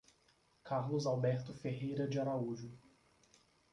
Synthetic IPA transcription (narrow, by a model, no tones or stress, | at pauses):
kaɾlʊzawbɛɾt̪ʊfeɦejɾɐd͡ʒɪaɾauʒʊ